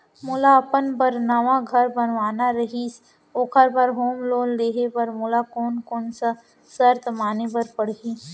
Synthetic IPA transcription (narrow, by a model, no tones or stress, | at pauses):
mʊlaɐpənbəɾnaʋaɡʱɐɾbɐnʋaːnaɾɐɦis | oːkʰəɾbʱɐɾɦoːmloːnleːɦepɐɾmʊlakoːnkoːnsa | səɾt̪maːnebɐɾpəɽ̤ɦiː